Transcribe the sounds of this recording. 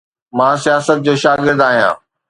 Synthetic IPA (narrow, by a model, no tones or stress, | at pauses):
mãːsijaːsət̪̚d͡ʑoːʃaːɡɪɾd̪aːɦijã̰ː